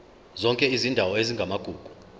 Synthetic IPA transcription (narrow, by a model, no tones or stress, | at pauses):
zɔŋkʼɛizindʱawɔeziŋɡʱamaɡ̥ʱuːɡ̥ʱu̥